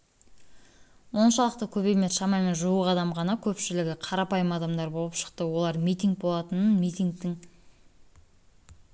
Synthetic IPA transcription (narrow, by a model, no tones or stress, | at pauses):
wo̞nʃɑlˠəq̚t̪əkʲʰɵβejme̞sʃɑmɑjme̞nʒuwəqɑd̪ɑmʁɑnɑkʲʰɵpʃɪlɪɡʲɪqʰɑɾɑpɑjəmɑd̪ɑmd̪ɑɾbo̞lˠəpʃə̥qt̪əwo̞lˠɑɾmijt̪iŋɡ̚bolˠɑt̪ənənmijt̪iŋɡ̚t̪ɪŋ